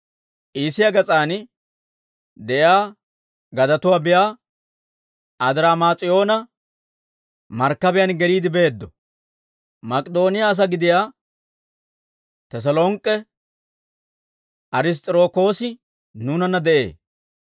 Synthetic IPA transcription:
ʔiːsɪjaɡɐt͡sʼaːn | d̪ɛʔjaː | ɡɐd̪ɐt̪ʊwaːbɪjaː | ʔɐd̪ɪɾaːmaːt͡sʼɪjo̞ːnɐ | mɐɾkːɐbɪjɐnɡɛliːd̪ɪbe̞ːd̪ːɔ | mɐkʼd̪o̞ːnɪjaːs̬ɐɡɪd̪ɪjaː | t̪ɛs̬ɐloːŋkʼːɛ | ʔɐɾɪs̬t̪ʼɾo̞ːko̞ːsɪ | nuːnɐnːɐd̪ɛʔe̞̰ː

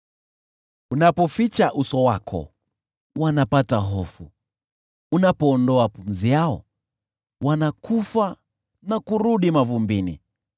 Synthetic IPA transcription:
unapɔfit͡ʃaʔusɔwakʰɔ̰ | wanapataɦɔfu | unapɔːndɔapum̩ziaɔ̰ | wanakufa | nakuɾuɗimavumbinḭ

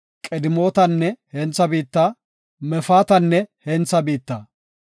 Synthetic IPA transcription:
kʼɛd̪ɪmo̞ːt̪ɐnːɛhɛnt͡sːɐbiːt̪ːa | mɛfaːt̪ɐnːɛhɛnt͡sːɐbiːt̪ːɐ

